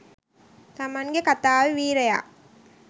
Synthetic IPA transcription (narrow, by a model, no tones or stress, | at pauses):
t̪amanɡekat̪aːʋeʋiːɾeja̰ː